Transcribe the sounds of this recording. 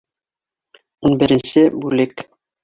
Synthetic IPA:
unbɘ̆ɾɘ̆nsɘbʉlɘk

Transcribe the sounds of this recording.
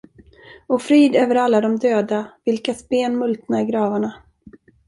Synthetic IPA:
ɔfɾiːd̪øːvəɾalːad̪ɔmd̪øːd̪avɪlkasbeːnmɵlt̪naɾɡɾɑːvaɳa

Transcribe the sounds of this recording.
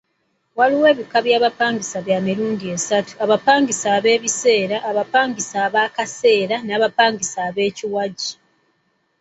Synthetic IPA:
waliwe̞ːβikaβjaːβapaːŋɡisaβjaːmiɾuːndiesatu̥aβapaːŋɡisaːβe̞ːβise̞ːɾaʔːβapaːŋɡisaːβaːkase̞ːɾanaːβapaːŋɡisaːβe̞ːciwaɟi

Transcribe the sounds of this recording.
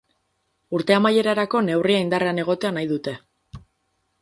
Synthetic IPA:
uɾt̪e̞amaje̞ɾaɾako̞ne̞wriaind̪are̞ane̞ɣ̞o̞t̪e̞anajðut̪e̞

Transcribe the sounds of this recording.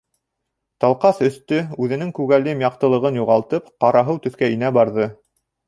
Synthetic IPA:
t̪ɑlˠqɑsɵ̆θt̪ɵʉðɘ̆nɘŋkʉɣælɘmjɑqt̪ɤ̆lˠɤ̆ʁɤnjuʁɑlˠt̪ɤpqɑɾɑɦɤwt̪ɵ̆θkæinæbɑɾðɤ

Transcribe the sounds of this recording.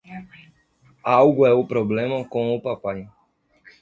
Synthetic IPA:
awɡʊɛʊpɾoblẽmɐkõʊpapaj

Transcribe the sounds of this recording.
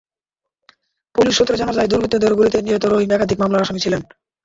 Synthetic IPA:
puliʃːot̪ːɾed͡ʑanaɾd͡ʑajd̪uɾbit̪ːod̪eɾɡuɾit̪eniɦot̪oɾoɦimɛkad̪ʱikmamlaɾaʃamit͡ɕʰilen

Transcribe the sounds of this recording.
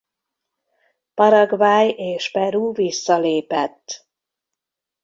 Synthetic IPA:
pɒɾɒɡvaːjeːʃpɛɾuːvisːɒleːpɛt̪ː

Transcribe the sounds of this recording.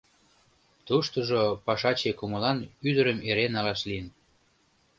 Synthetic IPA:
t̪uʃt̪oʒopɑʃɑt͡ɕekuməlɑnyd̪əɾəmeɾenɑlɑʃliən

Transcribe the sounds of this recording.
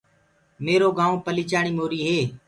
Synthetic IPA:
meːɾoːɡaːõːpəliːt͡ʃaːɳ̃iːmoːɾiːɦeː

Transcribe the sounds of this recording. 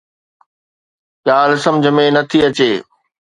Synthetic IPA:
jaːlsɐ̃md͡ʑʱə̆mẽnɐt̪ʰiɐt͡ɕeː

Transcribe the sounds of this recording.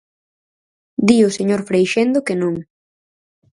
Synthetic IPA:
d̪iʊseɲoɾfɾejʃend̪okenõŋ

